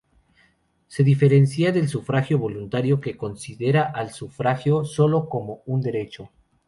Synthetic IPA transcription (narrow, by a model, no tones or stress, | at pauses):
se̞ðife̞ɾe̞nsjaðe̞lsufɾaxjo̞βo̞lunt̪aɾjo̞ke̞ko̞nsiðe̞ɾaʔalsufɾaxjo̞so̞lo̞ko̞mo̞und̪e̞ɾe̞t͡ʃo̞